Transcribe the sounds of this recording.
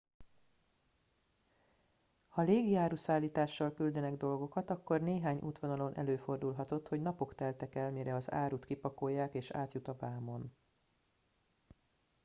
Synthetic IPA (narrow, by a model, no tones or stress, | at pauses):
hɒleːɡiaːɾusaːlːiːt̪aːʃːɒlkyld̪ɛnɛɡd̪o̞lɡo̞kɒt̪ɒkːo̞rneːɦaːɲʔṵːt̪ʋonɒlo̞nʔɛ̰løːfo̞rd̪ulɦɒt̪o̞t̪ho̞ɟnɒpo̞kt̪ɛlt̪ɛkɛlmiɾɛɒza̰ːɾut̪kipɒko̞jːaːkeːʃa̰ːt̪jut̪ɒvaːmo̞n